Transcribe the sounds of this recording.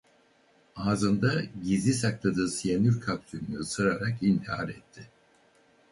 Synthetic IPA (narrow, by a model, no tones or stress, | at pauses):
aːzɯnd̪aɟizisaklˠad̪ɯːsijanyɾkʰapt̪ʰymnɯːsɯɾaɾakint̪ʰiha̰ɾɛt̪ʰːɪ